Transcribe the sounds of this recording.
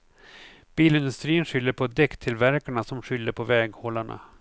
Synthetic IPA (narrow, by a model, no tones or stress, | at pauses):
b̥iːlɪnd̪ɵst̪ɾiːənɧʏlːəɾpʰɔd̪ɛkt̪ʰɪlvæɾkaɳasɔmɧʏlːəɾpʰɔvɛːɡhɔlaɳa̰